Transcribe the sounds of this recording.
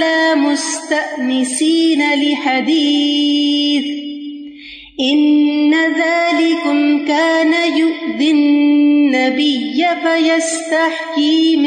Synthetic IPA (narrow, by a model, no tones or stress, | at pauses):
laːmʊst̪aʔnɪsiːnalɪħad̪iː | θ | ʔɪnːaðaːlɪknkaːnajʊʔd̪ɪnːabɪjːafajast̪aħkiːm